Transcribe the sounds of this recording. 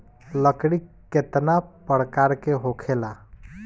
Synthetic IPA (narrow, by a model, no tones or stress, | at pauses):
ləkɽikː | et̪napəɽkaɾkeɦokʰela